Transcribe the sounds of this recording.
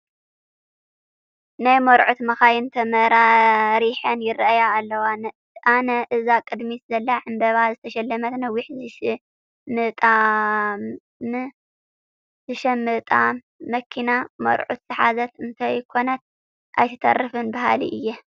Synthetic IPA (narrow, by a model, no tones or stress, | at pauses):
najmɐɾʕut̪mɐxajɪnt̪ʰɐmɐɾaɾiħɐnjɪɾʔajaːlːɐwan | ʔanɐʔɨzakʼɨd̪mizɐlːaʕɨmbɐβazɨt̪ʰɐʃɐlːɐmɐt̪nɐwːɪħzɨʃɨ | mɨt̪ʼa | mɨ | zɨʃɐmɨt̪ʼa | mɐkʰːinamɐ̰ɾʕṵt̪z̥ɨħazɐt̪ɨnt̪ʰajkʰo̞nɐt̪̚ | ʔa̰jt̪ʰɨt̪ʰɐ̰rːɨfɨnbaɦa̰lḭʔɨjːɛ